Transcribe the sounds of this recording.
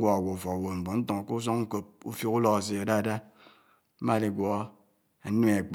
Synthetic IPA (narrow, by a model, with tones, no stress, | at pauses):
ɡɔ˦a˨ɡʷo˨fɔ˨wo˨m̩˨bo˨n̩˦to˨ŋ˨ko˦s̬o˦ŋ˦ŋ̩˦ko˨p̚ṵ˦fjo˦ku˦lɔ˨ka˨s̬i˨a˨da˦˨da˦ | ma˦˨le˨ɡʷɔ˨˦ | a˨˦u˦e˨k͡p